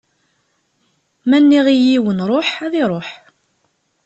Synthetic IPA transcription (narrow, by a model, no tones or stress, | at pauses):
mænːiʁijiwənɾˤoħæðiɾˤoħ